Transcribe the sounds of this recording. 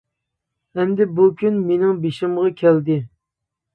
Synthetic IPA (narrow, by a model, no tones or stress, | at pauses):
ɛmd̪ɪbukʲʰynmenɪŋbeʃɪmʁɑkʲʰɛld̪ɪ